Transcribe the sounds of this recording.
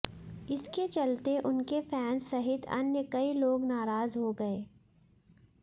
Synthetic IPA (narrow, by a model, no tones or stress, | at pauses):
ɪsket͡ʃɐlt̪eʔʊnkefʰɛːnsɐɦɪt̪ʰɐ̰njəkɐiloːɡnaːɾaːzɦoɡɐeː